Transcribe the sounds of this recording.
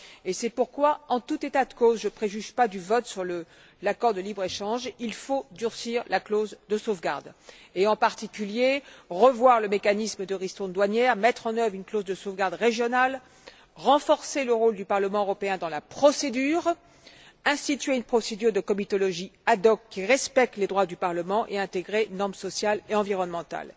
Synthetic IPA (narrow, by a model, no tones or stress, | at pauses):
esɛpuʁkwaɑ̃t̪ut̪et̪ad̪əkozʒəpχeʒyʒpad̪yvɔt̪syʁlə | lakɔʁd̪əlibʁeʃɑ̃ʒilfod̪yʁsiʁlaklozd̪əsovɡa̰ʁd̪eɑ̃paʁt̪ikʲyljeʁəvwaʁləmekanisməd̪əʁist̪ɔ̃d̪waɲjɛʁmɛt̪χɑ̃nœvʁynklozd̪əsovɡaʁd̪ʁeʒjɔnal | ʁɑ̃fɔʁseləʁold̪ypaʁləmɑ̃øʁɔpeɛ̃d̪ɑ̃lapχɔsed̪yːʁ | ɛ̃st̪it̪ɥeynpχɔsed̪yʁd̪əkɔmit̪ɔlɔʒiad̪ɔkːiʁɛspɛk̚t̪led̪ʁwad̪ypaʁləmɑ̃ʔḛɛ̃t̪eɡʁenɔʁmsɔsjaleɑ̃viʁɔnmɑ̃t̪a̰l